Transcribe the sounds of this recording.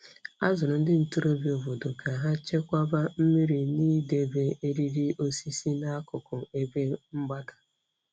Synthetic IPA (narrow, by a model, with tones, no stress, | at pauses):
a˦zʊ˨ɾʊ˨n̩˦dɪ˦n̩˨tu˦ɾo˦bi˦˨o˨vo˨dʊ˨ka˨ɦa˦t͡ʃe˦kʷa˦ba˦m̩˦mi˦ɾi˨niː˦de˨be˨e˦ɾi˦ɾi˦ʔo˦si˦si˦na˦a˦kʊ˨kʊ˨e˦be˦ŋ͡m̩˦ɡ͡ba˦dḁ˨